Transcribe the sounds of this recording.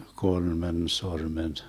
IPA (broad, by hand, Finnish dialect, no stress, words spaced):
kolmen sormen